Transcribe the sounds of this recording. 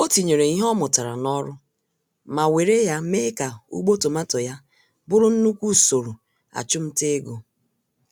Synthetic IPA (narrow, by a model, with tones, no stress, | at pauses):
o˦ti˨ɲe˨ɾe˨i˦ɦɔ˦mʊ˨ta˨ɾa̰˨nɔ˦ɾʊ˦ | ma˨we˨ɾe˦ja˦me˦ka˨ṵ˦ɡ͡bo˦to˨ma˦tɔ˨ja˦ | bʊ˦ɾʊ˦n̩˦nu˦kʷu˦˨so˨ɾu˨ | a̰˨t͡ʃʊ˦m̩˦te˦ɡo˨